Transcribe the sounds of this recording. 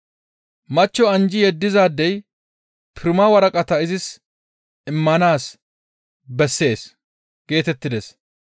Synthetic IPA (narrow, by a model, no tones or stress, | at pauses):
mɐt͡ʃːɔɐnd͡ʒɪjɛd̪ːɪzaːd̪ːɛj | pʰɪɾmawɐɾɐkʼɐt̪ɐɪzɪs | ɪmːɐnaːs | bɛsːe̞ːs | ɡ̥e̞ːt̪ɛt̪ːɪd̪ɛs